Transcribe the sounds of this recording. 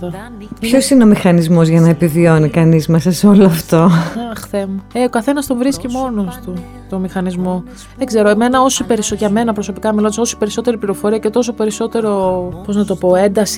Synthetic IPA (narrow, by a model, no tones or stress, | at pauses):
ɐpço̞sineo̞mixɐnizmo̞zʝɐnɐepivio̞nikɐnizmɐsɐsoloɐft̪oɐxθemueokɐθe̞nɐst̪o̞vɾiscimo̞no̞st̪u | t̪o̞mixɐnizmo̞ | ðeɡze̞ɾo̞eme̞nɐo̞sipe̞ɾisoʝɐme̞nɐpɾo̞so̞pikɐmilo̞nd̪so̞si̥pe̞ɾiso̞t̪e̞ɾipliɾo̞fo̞ɾiɐce̞t̪o̞so̞pe̞ɾiso̞t̪e̞ɾo̞po̞znɐt̪o̞po̞e̞nd̪ɐs